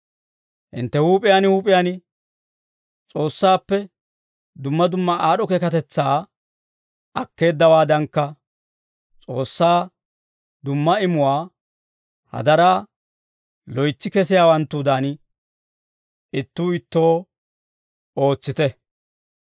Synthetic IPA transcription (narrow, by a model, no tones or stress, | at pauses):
ʔɪ̰nt̪ːɛhuːpʼɪjanhuːpʼɪjan | t͡sʼo̞ːsːaːpːɛ | d̪ʊmːɐd̪ʊmːɐʔaːɗɔkɛkɐt̪ɛt͡sːaː | ɐkːe̞ːd̪ːɐwaːd̪ɐŋkːɐ | t͡sʼo̞ːsːaː | d̪ʊmːɐɪmʊwaː | hɐ̰d̪ɐɾaː | lɔjt͡sːɪkɛs̬ɪjaːwɐnt̪ːud̪aːn | ɪt̪ːuːɪt̪ːo̞ː | o̞ːt͡sːɪt̪ɛ